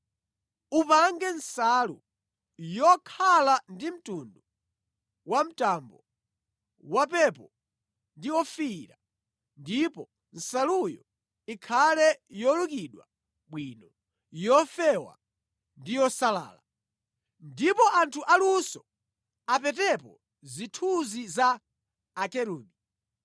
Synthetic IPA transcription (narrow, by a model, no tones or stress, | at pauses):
upaŋɡɛnsalu | jɔkʰalandim̩tundu | wam̩tambɔ | wapɛpɔ | ndiwɔfiɾa | ndipɔ | n̩salujɔ̰ | ikʰalɛjɔlukiɗwa | ɓwinɔ | jɔfɛwa̰ | ndijɔsala̰ːla | ndipɔʔantʰuʔalusɔ | apɛtɛpɔ | zitʰuzizaː | kɛɾuːɡi